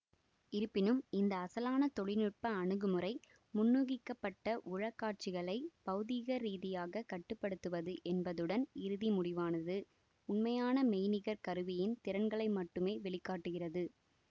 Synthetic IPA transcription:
ɪɾɯpːɪnɯmɪnd̪ɐːsɐlaːnɐt̪ɔɭɪnɪʈ̚pɐːɳɯɣɯmɯɾɐɪ | mʊnːuːɣɪkːɐpːɐʈːɐʔʊɻɐkːaːʈ̚t͡ʃɪɣɐɭɐɪpɐɣɯðiɣɐɾiːðɪjaːɣɐkɐʈːɯpːɐɽɯt̪ːɯʋɐðɯʔɛnbɐðɯɽɐnɪɾɯðimʊɽɪʋaːnɐðɯ | ʊnmɐjaːnɐmɛjnɪɣɐɾkɐɾɯʋɪjɪnt̪ɪɾɐnɡɐɭɐɪmɐʈːɯmeːʋɛɭɪkːaːʈːɯɣɪrɐðɯ

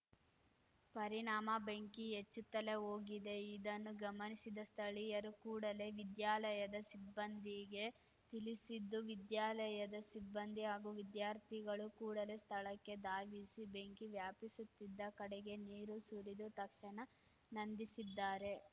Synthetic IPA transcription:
pɐɾiɳaːmɐbeŋkiet͡ʃːut̪ːɐle̞o̞ːɡid̪e̞id̪ɐnːuɡɐmɐnisid̪ɐst̪ʰɐɭijɐɾukuːɽɐle̞ʋid̪jaːlɐjɐd̪ɐsibːɐnd̪iɡe̞ | t̪ilisid̪ːuʋid̪jaːlɐjɐd̪ɐsibːɐnd̪iɦaːɡuːʋid̪jaːɾt̪ʰiɡɐɭukuːɽɐle̞st̪ʰɐɭɐkːe̞d̪aːʋisibe̞ŋkiʋjaːpisut̪ːid̪ːɐkɐɽeɡe̞niːɾusuɾid̪ut̪ɐkʂɐɳɐ | nɐnd̪isid̪ːaːɾe̞

